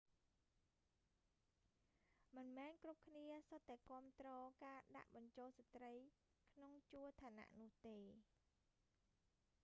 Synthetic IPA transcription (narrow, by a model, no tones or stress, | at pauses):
mɨnmɛːnkrup̚kʰniəsot̪ːaɛkŏəmt̪rɔːkaːɗa̰ʔɓɑɲt͡ɕoːlsat̪rəj | kʰnoŋt͡ɕuət̪ʰaːna̰ʔnʊ̆əht̪eː